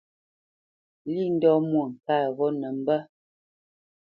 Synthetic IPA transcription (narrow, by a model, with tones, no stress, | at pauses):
li˦˨n̩˦dɔ˦mwo˨ŋ̩˨kaː˦˨ɣɔ˦nə˨m̩˦bə˦